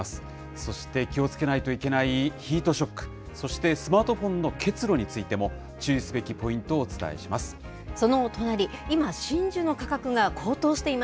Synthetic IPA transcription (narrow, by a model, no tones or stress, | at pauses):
asɨ̥ | so̞ɕi̥t̪e̞kʲio̞t͡sɨ̥ke̞nait̪o̞ike̞naiçiːt̪o̞ɕo̞kːɯ̥ | so̞ɕi̥t̪e̞sɨmaːt̪o̞ɸõ̞nːo̞kʰe̞t͡sɨɾo̞ɲ̟it͡sɨit̪e̞mo̞ | t͡ɕɨːisɨbe̞kʲipo̞ĩnt̪o̞ːt͡sɨ̥t̪a̰ḛɕimasɨ̥ | so̞no̞t̪o̞naɾʲiimaɕĩɲ̟d͡ʑɨno̞kakakɯ̟ɡakʰo̞ːt̪o̞ːɕi̥t̪e̞ima